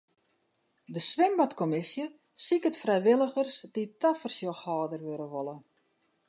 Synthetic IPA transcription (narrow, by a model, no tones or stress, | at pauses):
dəsʋɪmbatkɔmɪsjə | sikətfrɛjʋɪlˠəɣərsditʰafərsjoxhɑːdərʋøɾəʋolˠə